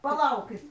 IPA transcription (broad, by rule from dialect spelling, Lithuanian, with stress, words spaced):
pɐˈlˠɐʊkʲɪt